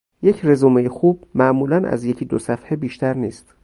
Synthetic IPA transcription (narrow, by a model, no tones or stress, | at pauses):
je̞cʰrezuːmejexuːb̥̚mæʔmuːlænʔæ̰zje̞cʰiːd̪osæfhebiːʃt̪ʰæɾniːst̪